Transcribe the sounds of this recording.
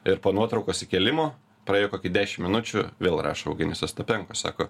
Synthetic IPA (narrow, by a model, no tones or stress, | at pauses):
ɪɾpoːnuɔt̪ɾɒʊkoːsɪkʲɛlʲɪmoː | pɾɐeːjoːkoːkʲɪd̪ʲæːʃʲɪmmʲɪnʊt͡ʃʲʊ̰ʋʲeːlˠrɑ̰ːʃoɐʊɡʲɪnʲɛsʲɛst̪ɐpʲɛŋkosɑ̰ːkoː